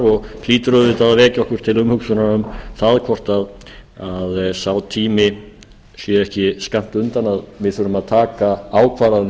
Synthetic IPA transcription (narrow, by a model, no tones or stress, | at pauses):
ɔɣʰliːt̪ɾœvɪt̪aðvɛːcɪɔhkʏɾ̥t̪ʰɪlʏmhʏksʏnaʏmθaðkʰvɔr̥t̪aðaðsawt̪ʰiːmɪ | sjɛɾɛhcɪskam̥t̪ʏnt̪anaðvɪðθœːɾʏmaðt̪ʰaːkaaːwkʰvaːɾan